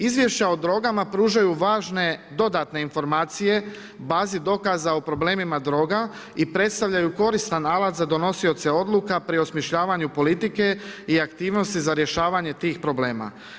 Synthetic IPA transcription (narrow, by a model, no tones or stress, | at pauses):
izʋje̞ʃt͡ɕaod̪ɾo̞ɡamapɾuːʒajuʋaːʒne̞d̪o̞d̪at̪ne̞info̞ɾmaːt̪sije̞ | baːzid̪o̞kazaopɾo̞ble̞ːmimad̪ɾo̞ːɡa | ipɾe̞t̪st̪aʋʎajuko̞ɾist̪analat̪zad̪o̞no̞sio̞t̪seo̞d̪lˠukapɾio̞smiʃʎaːʋaɲupo̞lit̪ike̞iakt̪iːʋno̞st̪izaɾje̞ʃaːʋaɲe̞t̪iːxpɾo̞ble̞ːma̰